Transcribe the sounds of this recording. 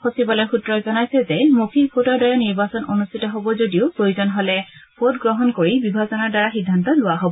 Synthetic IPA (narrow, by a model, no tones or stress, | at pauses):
xosibɔlɔjxutɹɔzɔnajsɛzɛmokʰipʰotɔɹdaɹɛniɹbasɔnonustʰitɔɦobɔzodiʊpɹojuzɔnɦɔlɛ | pʰotɡɹɔɦɔnkoɹibibʱazɔnaɹdaɹaxidʱːantɔlʊwaɦobɔ